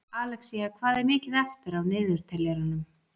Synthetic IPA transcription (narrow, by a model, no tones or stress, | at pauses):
aːlɛxsiɣakʰvaːðɛɾmɪːcɪðɛft̪ɪɾawnɪːðʏɾ̥t̪ʰɛljɛɾanʏm